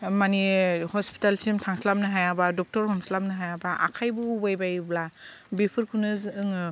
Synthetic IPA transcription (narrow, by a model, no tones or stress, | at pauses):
manihɔspi̥talsimtʰaŋslam̚nɯɦajabadɔk̚tɔɾhɔmslamnɯɦajabaʔa̰kʰajbɯubajbajblabipʰɯɾkʰunɯzɯŋ